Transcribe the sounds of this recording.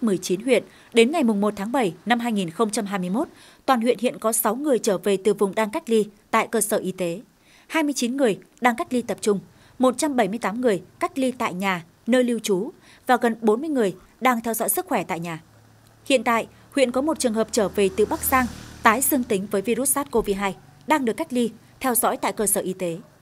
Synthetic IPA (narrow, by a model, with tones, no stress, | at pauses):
mɨ˨˩əjt͡ɕi˨˦nɦwḭ˧˨ən | ɗe˨˦nŋa˨˩jmʊ˨˩ŋ͡mmo˨˩t̚t̪ʰaː˨˦ŋɓə˧˩jna˧mɦaː˧jŋi˨˩nxə˧wŋ͡mt͡ɕa˧mɦaː˧jmɨ˧əjmo˦˥t̚ | t̪waː˨˩nhwḭ˧˨ənhḭ˧˨ənkɔ˨˦sa˨˦wŋɨ˨˩əjt͡ɕəː˧˩ve˨˩t̪ɨ˨˩vʊ˨˩ŋ͡mɗaː˧ŋka˦˥k̟̚li˧t̪a̰ː˧˨jkəː˧səː˧˩ʔi˧t̪e˨˦ | haː˧jmɨ˧əjt͡ɕi˨˦nŋɨ˨˩əj | ɗaː˧ŋka˦˥k̚li˧t̪ə˨˩p̚t͡ɕʊ˧ŋ͡m | mo˨˩t̚t͡ɕa˧mɓə˧˩jmɨ˧jt̪aː˨˦ŋɨ˨˩əjka˦˥k̟̚li˧t̪a̰ː˧˨jɲaː˨˩ | nəː˧jli˧wt͡ɕu˨˦ | vaː˨˩ɣə˨˩nɓo˨˦nmɨ˧əjŋɨ˨˩əj | ɗaː˧ŋt̪ʰɛ˧wzɔ̰˧˥jsɨ˦˥k̚xwɛ˧˩t̪a̰ː˧˨jɲaː˨˩ | hḭ˧˨ənt̪a̰ː˧˨j | hwḭ˧˨ənkɔ˨˦mo˨˩t̚t͡ɕɨ˨˩əŋhɦəː˨˩p̚t͡ɕəː˧˩ve˨˩t̪ɨ˨˩ɓa˦˥k̚zaː˧ŋt̪aː˨˦jzɨ˧əŋt̪ï˨˦ŋ̟vəː˨˦jvi˧ɾu˦˥t̚saː˦˥t̚ko˧vi˧ɦaː˧j | ɗaː˧ŋɗɨ˨˩əkːa˦˥jk̚li˧ | t̪ʰɛ˧wzɔ̰ː˧˥jt̪a̰ː˧˨jkəː˧səː˧˩ʔi˧t̪e˨˦